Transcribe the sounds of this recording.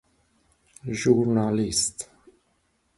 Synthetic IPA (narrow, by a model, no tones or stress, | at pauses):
ʒuɾnalist̪